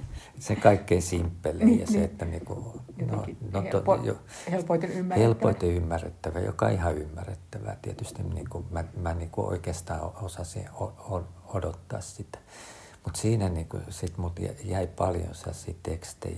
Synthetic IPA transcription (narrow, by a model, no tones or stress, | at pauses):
sekɑikːeinsimpːelejɑ̰seet̪ːæniːkṵno̰noojo̰ | heloihelpoit̪eymːærːet̪ːæʋæjo̰kɑ̰ihɑymːærːet̪ːæʋæ̰t̪iet̪yst̪imnḭːkumæmæniːkuo̰ikest̪ɑːoosɑsḭ̃ooodot̪ːɑ̰ːssit̪æ̥ | mut̪siːnæniːkṵsit̪mult̪jæ̰jæipɑljõ̰nsɑ̰sḭːt̪ekst̪ḛ